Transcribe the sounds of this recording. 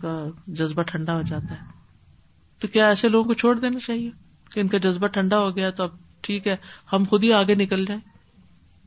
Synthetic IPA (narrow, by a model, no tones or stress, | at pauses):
kad͡ʒɐzbaʈʰɐ̃ɳɖaɦod͡ʒaːt̪aɦɛː | t̪okjaːɛːseloːɡõkot͡ʃʰoːɽd̪eːnat͡ʃaːɦie | keɪnkad͡ʒɐzbaʈʰɐ̃ɳɖaɦoɡɐjat̪oɐb̚ | ʈʰiːkɦɛːhɐmxʊd̪ʱiaːɡenɪkəld͡ʒaːẽ